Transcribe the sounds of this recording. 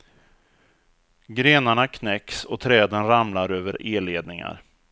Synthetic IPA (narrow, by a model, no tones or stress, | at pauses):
ɡɾeːnaɳakʰnɛksɔt̪ʰɾɛːd̪ənɾamlaɾøːvəɾeːleːd̪nɪŋa̰ɾ